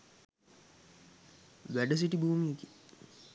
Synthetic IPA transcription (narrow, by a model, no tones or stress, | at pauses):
ʋæɖəs̬iʈibuːmiki̥